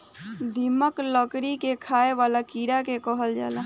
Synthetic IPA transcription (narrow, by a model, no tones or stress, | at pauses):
d̪ʱiməkləkɾikekʰaːeʋaːlakiːɾakekɔɦəld͡ʒa̰ːla